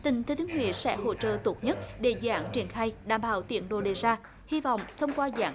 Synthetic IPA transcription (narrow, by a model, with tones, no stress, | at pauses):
t̪ï˨˩ŋ̟t̪ʰːt̪i˨˦ŋhwḭ˧˨sɛ̰˧˥ho̰˧t͡ɕə̰ː˧˨t̪o˨˩t̚ɲə˦˥t̚ɗe˧˩zaː˧˦ŋt͡ɕi˨˩ənxaː˧jɗaː˧˩mɓaː˧˩wt̪ḭ˧˩ənɗo̰˧˨ɗe˨˩zaː˧ | hi˧vɔ̰˧˨wŋ͡mt̪ʰə˧wŋ͡mkwaː˧za̰ː˧˩